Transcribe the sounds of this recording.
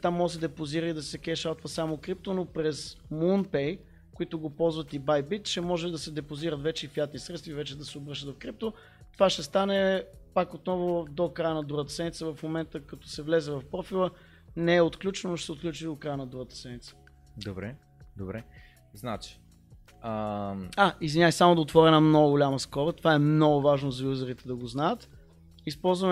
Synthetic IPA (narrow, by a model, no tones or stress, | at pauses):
t̪amːɔəsɛd̪ɛpoziɾəid̪ɐsɛkɛʃalˠt̪vəsamʊkɾip̚t̪onopɾɛzmunpɛj | kʊit̪ʊɡopɔlˠzvət̪ibajbit̪ʃɛmɔʒɛd̪ɐsɛd̪ɛpoziɾət̪vɛt͡ʃɛifjat̪nisɾɛt̪st̪vivɛt͡ʃɛd̪ɐsɛobɾɤʃt̪ət̪vɐfkɾip̚t̪o | t̪ovaʃɛst̪anɛpakot̪nɔvod̪okɾajənɐd̪uɾət̪ə̥sɛnit̪səvɐfmomɛnt̪əkɐt̪ɔ̥sɛvlɛzɛvɐfpɾɔfilˠə | nɛɛot̪klʲut͡ʃɛnonoʃɛ̥sɛot̪̚klʲut͡ʃid̪ot̪̚kɾajənɐd̪ɾuɣət̪ə̥sɛnit̪sə̥ | d̪obɾɛ | d̪obɾɛ | znat͡ʃi̥ | əaizvʲinʲasʲsamoʊd̪ɐot̪vɔɾɛnəmnɔɡʊɡʊlʲaməskɔbət̪ovaɛmnɔɡʊvaʒnozɐjuzəɾit̪ɛd̪ɐɡoznajət̪ | ispɔlˠzvəm